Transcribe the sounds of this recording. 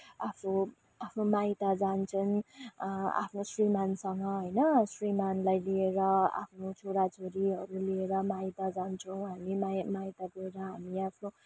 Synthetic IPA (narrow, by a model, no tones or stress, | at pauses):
apʰno | apʰnomajt̪ad͡zant͡sʰʌn | a̰pʰnosrimansʌŋɡʌɦʌjnʌsrimanlajlieɾʌa̰pʰnot͡sʰoɾat͡sʰoɾiɦʌɾulieɾʌmajt̪ad͡zant͡sʰʌw̃ɦamimamajt̪aɡoɾʌɦamiapʰno